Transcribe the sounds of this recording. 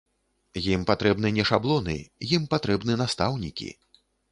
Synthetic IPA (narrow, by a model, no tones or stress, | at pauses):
jimpat̪ɾɛbnɨnʲɛʂablˠɔnɨ̰jimpat̪ɾɛbnɨnast̪awnʲikʲḭ